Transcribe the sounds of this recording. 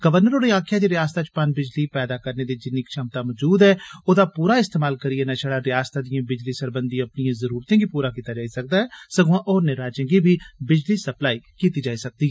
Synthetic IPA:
ɡ̥əʋəɾnəɾoːɾiãːkʰːjaːd̪iːɾɪjaːst̪aːt͡ʃpand͡ʒbɪd͡ʒliːpɛːd̪aːkəɾneːd̪iːd͡ʒɪniːkʃəmt̪aːmɔːd͡ʒuːd̪ɦɛːoːd̪aːpuːɾaːɪst̪eːmaːlkəɾiːɛnəʃəɽaːɾɪjaːst̪aːd̪ɪjãːbɪd͡ʒliːsəɾbənd̪ĩəpnijãːzəɾuːɾt̪ẽːɡiːpuːɾaːkiːt̪aːd͡ʒaːisək̚d̪aːɦɛːsəɡãːʔɔːɾnɪɾaːd͡ʒə̃ːɡiːbʱiːbɪd͡ʒliːsəplaːiːkiːt̪iːd͡ʒaːisək̚d̪iːɛː

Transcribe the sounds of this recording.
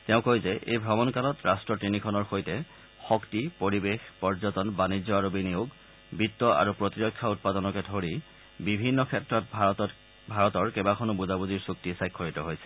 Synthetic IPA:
tɛʊ̃kojzɛʔḛjbʱɹɔmɔnkalɔtɹastɹɔtɹinikʰɔnɔɹxojtɛ | xɔktipoɹibexpɔɹzɔtɔnbanizɔaɹobinijoɡ | bitːɔʔa̰ɹupɹotiɹɔkʰːjaut̚padɔnɔkɛdʱoɹi | bibʱinːɔkʰɛtɹɔt̚ | bʱaɹɔtɔɹkɛbakʰɔnʊbuzabuziɹsuktisajkʰːɔɹitɔɦojsɛ̥

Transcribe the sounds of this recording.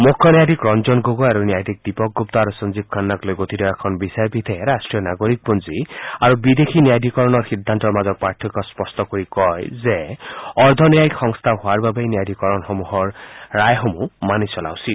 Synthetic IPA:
mokʰːɔnijajd̪ikɾɔnzɔnɡoɡɔaɾunijajd̪ʱik̚d̪ipɔk̚ɡup̚t̪ɔaɾusɔnzib̚kʰanːaklojɡot̪idɔɛkʰɔnbisaɾpit̪ʰɛɾasʈɹijɔnaɡoɾik̚pɔnziaɾubid̪ekʰinijajd̪ʱikɔɹɔnɔɹxid̪ʱːant̪ɔɹmazɔk̚paɹt̪ʰɔkɔspɔstɔkoɹikɔjzeɔɹd̪ʱɔnjajikxɔŋst̪ʰaɦʊaɹbabejnijajd̪ʱikɔɾɔnxɔmuɦɔɹːajɦomumanisɔla̰wsit

